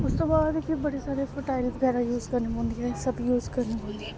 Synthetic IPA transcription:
ʊst̪obaːd̪ekibɐɽesaːɾefoʈaːɾibɐɡɛːɾajuːzkɐɾnebõːnd̪iãsɐbjuːzkɐɾneɦõːnd̪i

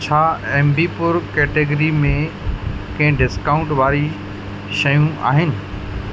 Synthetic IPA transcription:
t͡ɕʰaːɛ̃ːmbipʊɾkɛːʈeɡəɾimẽ | kɐ̃ɦɪ̃ɖɪskaːʊ̃ɳʈʋaːɾi | ʃɐjũa̰ːɦɪnɪ̆

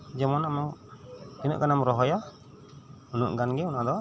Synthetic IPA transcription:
d͡ʒamɔnamɔŋd͡ʒinṵʔkanamɾɔɦɔja | unuʔɡanɡɛunad̪ɔ

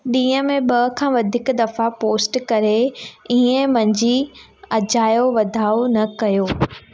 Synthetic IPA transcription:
ɗĩːə̃mẽɓɐɦkʰãːʋɐd̪ʱɪkd̪ɐfapoːsʈkɐɾeiẽmɐ̃ɲd͡ʑi | ɐd͡ʑaːjoʋɐd̪ʱaːonɐkɐjoː

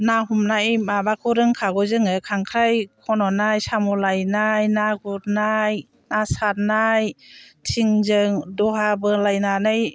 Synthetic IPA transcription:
naɦumnajmabakʰuɾɯŋkʰaɡɔzɯŋɯkʰaŋkʰɾajkʰɔnɔnajsamulajnajnaɡut̚naj | nasat̚najtʰiŋzɯŋduɦabɯlajnanaj

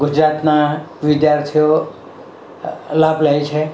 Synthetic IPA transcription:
ɡʊd͡ʒɾat̪naʋɪd̪jaɾt̪ʰijo | lablajt͡ʃʰe

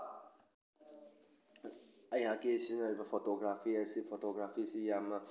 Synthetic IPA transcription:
ajakesinaibafɔt̪oɡɾafiasifʰot̪oɡɾafisijama

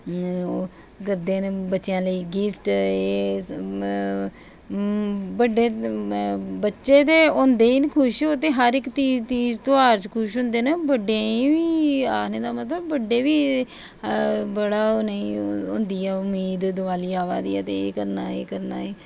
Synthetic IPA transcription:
ɡəɾd̪eːnbətːʃjãːləiːɡɪpʰʈeː | bəɖeː | bətːʃeːt̪eːõːnd̪eːiːnkʰʊʃoːt̪eːɦəɾɪkt̪iːt͡ʃiːd͡ʒt̪oaːɾt͡ʃkʰʊʃ̬ɦʊ̃ːnd̪eːnəbəɖẽĩːʋiːaːkʰneːd̪aːmət̪ləbːəɖeːʋiː | bəɽaːoneĩːʊ̰̃ːnd̪iːɛːʊmiːd̪d̪ʋaːliːaːʋa̰ːd̪ḭːɛ̰ːt̪eːeːkəɾnaːeːkəɾnaːeː

